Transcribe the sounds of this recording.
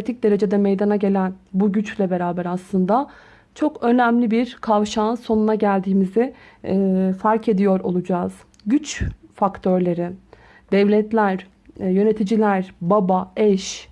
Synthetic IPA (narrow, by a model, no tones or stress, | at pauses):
et̪ʰic̚d̪e̞ɾe̞d͡ʒe̞d̪ɛmejd̪anaɟe̞lʲænbuɟyt͡ʃlʲɛbe̞ɾaːbæɾaslˠɯnd̪a | t͡ʃʰo̞kø̞næmlʲibiɾkʰavʃanso̞nunaɟælʲd̪iːmizɪ | faɾcʰe̞d̪ijo̞ɾo̞̰lˠud͡ʒaːz̥ | ɟyt͡ʃfakt̪ʰøɾlʲe̞ɾɪ | d̪̥ɛvlʲɛt̪lʲæɾ | jø̞ne̞t̪ʰid͡ʒilʲæɾbabaɛʃ